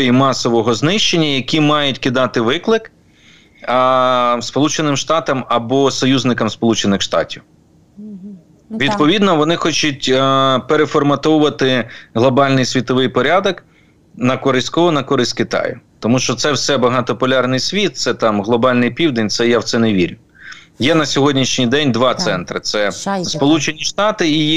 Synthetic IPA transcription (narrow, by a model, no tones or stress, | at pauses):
jimɑsɔʋɔɦɔznɪʃt͡ʃenʲːɐjɐkʲimɑjʊtʲkʲid̪ɑt̪ɪʋɪklˠɪk | spɔlˠut͡ʃenɪmʃt̪ɑt̪ɐmɐbɔsɔjuzʲnɪkɐmspɔlˠut͡ʃenɪxʃt̪ɑ̰tʲiw | ʋʲid̪pɔʋʲid̪nɔʋɔnɪxɔt͡ʃʊtʲpeɾefɔrmɐt̪ɔwʊʋɐt̪ɪɦlˠɔbɑlʲnɪjsʲʋʲit̪ɔʋɪjpɔɾʲad̪ɔk | nɐkɔɾɪsʲkɔɦɔnɐkɔɾɪsʲkɪt̪ɑ̰jʊ̰t̪ɔmuʃt͡ʃɔt̪sɛwsɛbɐɦɑt̪ɔpɔlʲɑrnɪjsʲʋʲit̪̚t̪sɛt̪ɑmɦlˠɔbɑlʲnɪjpʲiwd̪enʲt̪sɛjawt̪sɛneʋʲiɾʲʊ | jɛnɐsʲɔɦɔdʲnʲiʃnʲijd̪ɛnʲd̪ʋɑt̪sɛnt̪ɾɪ̰t̪sɛspɔlˠut͡ʃenʲiʃt̪ɑt̪ɪi